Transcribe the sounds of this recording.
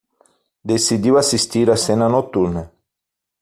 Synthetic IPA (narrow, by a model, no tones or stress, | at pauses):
d̪esid̪iwasist̪iɾasenanot̪uɾne